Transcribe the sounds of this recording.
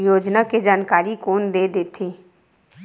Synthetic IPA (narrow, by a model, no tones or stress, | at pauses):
joːd͡ʒnaked͡ʒaːnkaːɾikoːnd̪eːd̪eːt̪ʰeː